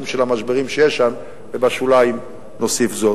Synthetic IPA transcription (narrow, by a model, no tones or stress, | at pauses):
mʃelamaʃbeʁimʃejeʃam | bebaʃulaim | no̞sifzo